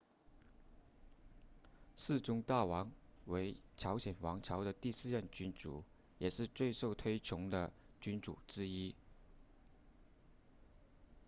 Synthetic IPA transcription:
sɹ̩˥˩ʈ͡ʂʊ˥ŋt̪a˥˩wɑ˧˥ŋwe˧˥ɪʈ͡ʂʰɑ˧˥ʊɕjɛ˨˩nwɑ˧˥ŋʈ͡ʂʰɑ˧˥ʊd̪ə˧t̪i˥˧sɹ̩˥˧ɻə˥˩nt͡ɕy˥nʈ͡ʂt͡sṵ˨˩ | jɛ˨˩ʂɻ̩˥˧t͡swe˥˧ɪʂo˥˩ʊt̪ʰwe˥ɪt͡ɕʰʊ˧˥ŋd̪ə˧t͡ɕy˥nʈ͡ʂṵ˨˩ʈ͡ʂɻ̩˥i˥

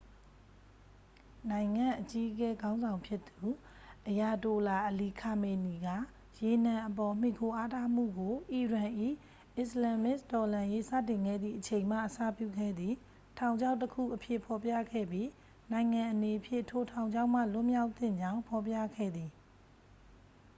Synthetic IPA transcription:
nã˨ɪ̃ŋã˦˨ʔət͡ɕi˦ʔəkɛ˦ɡã˦ʊ̃nzã˨ʊ̃mpʰjɪ˦t̪u˨ | ʔəja˨to˨la˨ʔəli˨kʰa˨me˨ni˨ɡa̰˦˨ | je˨n̥ã˨ʔəp̬ɔ˨m̥i˨kʰo˨ʔa˦tʰa˦˨m̥ṵ˦˨ɡo˨ʔi˨ɹã˨ʔḭ˦˨ | ʔɪ˦˨slã˨mɪ˦˨stɔ˨lã˨je˦sä̰˦˨tɪ̃˨ŋɡɛ̰˦˨d̪ðḭ˦˨ʔət͡ɕʰẽ˨ɪ̃m̥a̰˦˨ʔəsa̰˦˨pjṵ˦˨ɡʰɛ˦˨d̪ði˨ | tʰã˨ʊ̃ɲd͡ʑa˦ʊ̃təkʰṵ˦˨ʔəpʰjɪ˦˨pʰɔ˨pja̰˦˨ɡɛ̰˦˨bji˦ | nã˨ɪ̃ŋã˨ʔəne˨pʰjɪ̰̃˦˨tʰo˨tʰã˨ʊ̃ɲd͡ʑã˦ʊ̃m̥a̰˦˨lʊ˦ʔmja˦ʊʔt̪θɪ̰̃˦˨ɲd͡ʑã˦ʊ̃pʰɔ˨pjä̰˦˨ɡʰɛ̰˦˨d̪ði˨

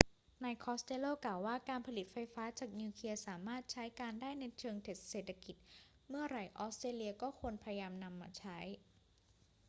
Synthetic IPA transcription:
na˧jkʰɔː˦˥st̪e˧˥loː˥˩klaː˨˩waː˥˩kaː˧npʰa˧li˨˩t̪̚fa˧jfaː˦˥t͡ɕaː˨˩k̚niː˧kʰli˧ɐsaː˩˦maː˥˩t̪̚t͡ɕʰa˦˥jkaː˧ndaː˥˩jna˧jt͡ɕʰɤː˧ŋt̪ʰe˨˩t̪̚seː˨˩t̪ʰːa˧ki˨˩t̪̚ | mɯ˥˩ɐɾa˨˩jʔɔː˦˥st̪ɾeː˧li˧ɐkɔː˥˩kʰu˧ənpʰa˧ja˧jaː˧mna˧mːa̰ː˧t͡ɕʰa˦˥j

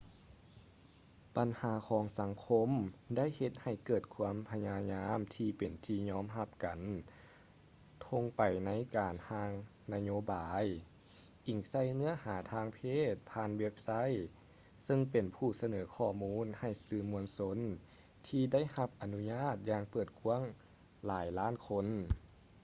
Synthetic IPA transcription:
pa˨nhaː˩˦kʰɔː˨˩˦ŋsa˩˦ŋkʰo˧˥mda˥˨jhe˧t̪̚ha˨˩jkɤː˨˩t̪̚kʰu˧˥əmpʰa˧ɲaː˧ɲaː˧˥mt̪ʰiː˧pe˨˩nt̪ʰiː˧ɲɔː˧˥˨mɦa˧p̚ka˨˩n | t̪ʰo˧ŋpa˨˩jna˧˥jkaː˨˩nhaː˧˥ŋ | na˧˥joː˧˦baː˨˦j | ʔi˨˩ŋsa˧˥˩jnɯ˧˥ɐhaː˩˦t̪ʰaː˧˥ŋpʰeː˥˩˨t̪̚pʰaː˧˥nwe˧˥p̚sa˧˥˨j | sɤ˧ŋpe˨˩npʰuː˧˩sa˧nɤː˩˦kʰɔː˧˩muː˧˥˨nha˧˩jsɯː˧˩mu˧ənso˧˥n | t̪ʰiː˧da˥˨jha˧p̚ʔa˨nu˧˥ɲaː˥˩t̪̚jaː˧ŋpɤː˨˩t̪̚kʰu˧˥əŋ | laː˨˦jlaː˥˨nkʰo˧n

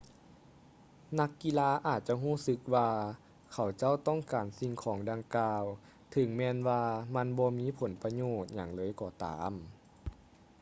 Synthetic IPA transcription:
na˧˥kːi˧˨laː˧˥ʔaː˨˩t̪̚t͡ɕa˧ɦuː˥˩˨sɯ˧˦k̚waː˧ | kʰa˨˩wt͡ɕa˥˩˨wt̪ɔ˥˨ŋkaː˨˩nsi˧ŋkʰɔː˩˦ŋda˧ŋkaː˧w | t̪ʰɯ˨˩˦ŋmɛː˧nwaː˧ma˧˥˨nbɔː˧miː˧˥˨pʰo˨˩˦npa˧ɲoː˧˩t̪̚ɲaː˧˩ŋlɤː˧˨jkɔː˧˩t̪a̰ː˨˦m

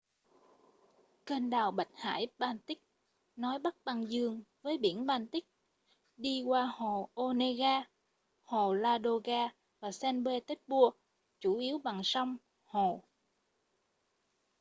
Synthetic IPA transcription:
ke˧nɗaː˨˩wɓa̰˨˩jk̟̚ha̰ː˧˥jɓaː˧nt̪ï˦˥k̚ | nɔ˨˦jɓa˦˥k̚ɓa˧˩ŋzɨ˧əŋvəː˨˦jɓḭ˧˩ənɓaː˧nt̪i˦˥k̚ | ɗi˧kwaː˧ho˨˩ʔo˧ne˧ɣaː˧ | ho˨˩laː˧ɗo˧ɣaː˧ | vaː˨˩sɛ˧nɓe˧t̪e˦˥k̚ɓu˧ə | t͡ɕu˧˩ʔi˨˦əwɓa˨˩ŋsa˧wŋ͡m | ho˨˩

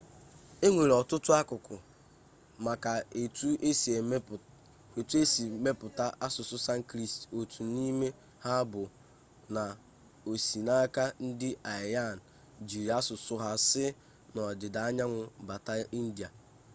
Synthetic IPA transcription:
e˦ŋʷe˨ɾɔ˨tʊ˦tʊ˦a˦kʊ˨kʊ˨ | ma˨ka˨e˨tu˦e˦se˨˦˨ | e˨tu˦e˦si˨me˦pʊ˨ta˦ʔa˦sʊ˨sʊ˦sa˦ŋ̩˦kɾi˦sto˨tʰu˨ni˦me˦ | ha˦bʊ˨ | na˨ | o˨si˨na˦ka˦n̩˦dɪ˦a˨ja˦˨n̩˨ | d͡ʒi˨ɾi˨a˦sʊ˨sʊ˦ɦa˦sɪ˦ | nɔ˨dɪ˨da˨a˦ɲa˦ŋʷʊ˨ba˨ta˦i˦n̩˦di˨a˨

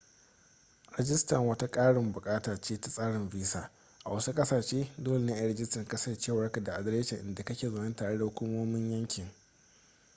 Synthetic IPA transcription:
ɾɛ˦d͡ʒɪ˦stɐ˨ŋwɐ˦ta˦kʼaː˦ɽɪ˨mbʊ˨kʼaː˦taː˨t͡ʃeː˦ta˦sʼaː˦ɽɪ˨mviː˦saː˨ | ʔa̰˨wɐ˦su˦kʼɐ˦saː˨ʃeː˦doː˦le˨ne˦ʔa˨˦ɾɛ˦d͡ʒɪ˦stɐ˨ŋka˦sɐ˦t͡ʃeː˦˨wɐ˦rka˨da˨ʔa˨dɐ˦ɾeː˦t͡ʃɪ˨ŋʔɪ˨nda˨kɐ˦kʲeː˨zɐ˨nɐ˦ntaː˨ɽe˦da˨hʊ˦kʷuː˦moː˦mɪ˦ɲjɐ˦ŋkʲɪ˨ŋ

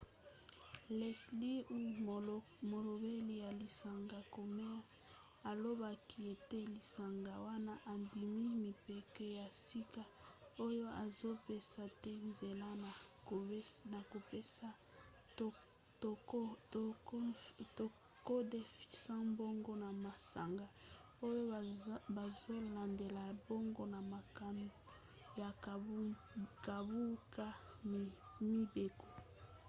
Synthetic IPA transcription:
le˨sli˦u˦ | mo˨lo˨be˦li˨ja˨li˨sa˨ŋɡa˨ko˨me˦ja˦ | a˨lo˦ba˨kʰi˨e˨te˦li˨sa˨ŋɡa˨wa˦na˦ʔa˨ndi˨mi˦mi˨pe˨kɛ˦ja˨si˦ka˦o˦jo˦a˨zo˦pe˦sa˨tɛ˦nze˨la˦na˨ko˨˦na˨ko˨pe˦sa˦ | t | to˨ | ko˦de˨fi̥˨sã˦mbo˦ŋɡo˦na˨ma˨sa̰˨ŋɡa˦ | o˦jo˦ba˨zo˦la˨nde˨la˨bo˦ŋɡo˦na˨ma˨ka˨mu˨ | ja˨˦ | ka˨bu˦ka˦˨ | mi˦be˨ko˨

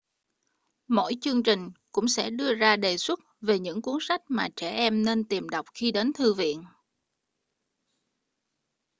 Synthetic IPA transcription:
mo̰˧˥˨jt͡ɕɨ˧əŋt͡ɕï˨˩ŋ̟kʊ̰˧˥ŋ͡msɛ̰˧˥ɗɨ˧əzaː˧ɗe˨˩swə˦˥t̚ve˨˩ɲɨ̰˧˥ŋku˨˦əŋsa˦˥k̟̚maː˨˩t͡ɕɛ˧˩ʔɛ˧mne˧nt̪i˨˩mɗa˨˩wk͡p̚xi˧ɗe˨˦nt̪ʰɨ˧vḭ˧˨ən

